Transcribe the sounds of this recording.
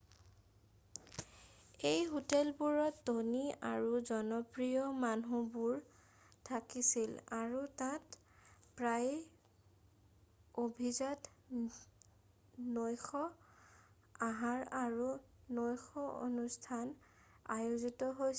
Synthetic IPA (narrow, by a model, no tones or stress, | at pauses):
ejɦutɛlbuɹɔtːonia̰ɹuzɔnɔpɹijɔmanubuɹ | tʰakisilaɹutãt | pɹaj | obʱizat | nojxɔ | aɦaɹaɹu | nojxɔo̰nustʰan | ajuzitɔɦoj